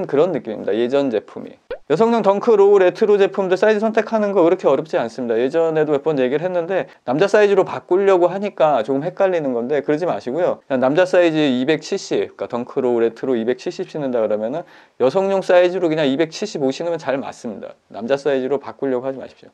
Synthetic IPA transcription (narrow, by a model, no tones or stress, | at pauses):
nkɯɾʌnːɯk͈imḭmːida̰je̞d͡ʑʌnd͡ʑe̞pʰumḭjʌsʰʌŋɲʌŋtʌŋkʰɯɾouɾe̞tʰɯɾod͡ʑe̞pʰumdɯs͈aid͡ʑisʰʌntʰe̞kʰanɯnɡʌiɾʌkʰe̞ʌɾjʌp̚t͡ɕ͈ians͈ɯmɲidaje̞d͡ʑʌne̞dowep͈ʌnje̞ɡiɾɯɭɦenːɯnde̞namd͡ʑas͈aid͡ʑiɾopak͈uʎːʌɡoɦaɲik͈at͡ɕoɡɯmɦe̞k̚k͈aʎːinɯnɡʌnde̞kɯɾʌd͡ʑima̰ɕʰiɡojokɯɲanamd͡ʑas͈aid͡ʑiibe̞k̚t͡ɕʰiɭɕ͈ibk͈atʌŋkʰɯɾouɾe̞tʰɯɾoibe̞k̚t͡ɕʰiɭɕ͈ip̚ɕ͈inɯndakɯɾʌmjʌnɯn | jʌsʰʌŋɲoŋs͈aid͡ʑiɾokɯɲaŋibe̞k̚t͡ɕʰiɭɕ͈iboɕʰinɯmjʌnt͡ɕaɭma̰s͈ɯmɲida̰na̰md͡ʑas͈aid͡ʑiɾopak͈uʎːjʌɡohad͡ʑima̰ɕʰi̥p̚ɕ͈o